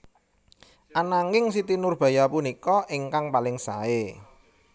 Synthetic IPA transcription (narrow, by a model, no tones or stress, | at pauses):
ʔanaŋɪŋsit̪inʊrb̥ä̤japunikɔʔɪŋkaŋpalɪŋsa̰e